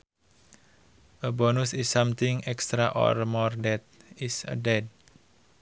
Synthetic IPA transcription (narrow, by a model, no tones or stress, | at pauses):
ʔəbɔnusisːamt̪iŋɛkst̪ɾaʔɔ̰rmɔrdɛt̪̚isə̰dɛd̚